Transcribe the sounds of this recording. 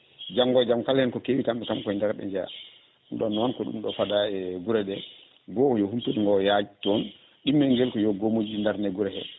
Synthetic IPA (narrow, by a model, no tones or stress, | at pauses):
d͡ʒaŋɡɔd͡ʒamkalhɛnkɔkewikamɓɛkamkɔɛndaɾɓɛ̰ɲd͡ʒɛa̰ | nɗɔnːwankɔɗṵmɗɔfadaɛɡuɾɛɗɛ | ɡɔɔjɔhuntuɗiŋɡɔjad͡ʒitɔn | ɗimːɛŋɡɛlkɔjɔɡomod͡ʒindaɾnɛɡuɾɛhɛ̰